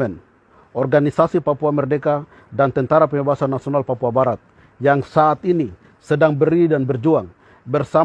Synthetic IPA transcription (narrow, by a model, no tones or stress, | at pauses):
ɛn | ɔrɡanisasipapuamɛrdɛka | dant̪ɛnt̪aɾapəŋɛbaɦasanːasiɔnalpapuabaɾat̪̚ | jaŋsaːt̪ini | sɛdaŋbəɾidanbɛrd͡ʒuaŋ | bɛrsa